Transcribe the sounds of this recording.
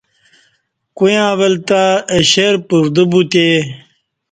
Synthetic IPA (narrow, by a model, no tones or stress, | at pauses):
kujãːʋelt̪aeɕeɾpuɾd̪ubut̪e